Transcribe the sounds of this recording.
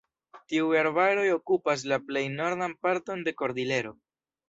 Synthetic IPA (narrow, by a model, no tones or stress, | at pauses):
tiuaɾbaɾo̞jo̞kupas̬laple̞jno̞ɾdanpaɾto̞nde̞ko̞ɾdile̞ɾo̞